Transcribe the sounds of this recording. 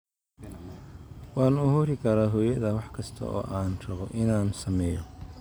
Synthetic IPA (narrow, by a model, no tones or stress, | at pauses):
wɑːnʊhuːɾɪkʰɐɾaːɦɔːjɐðɐwɑħkʰɐst̪ʰɐ̰ʔɔ̰ːʔaːnʃɐɣɔʔɪnaːnsɐmɛːjɔ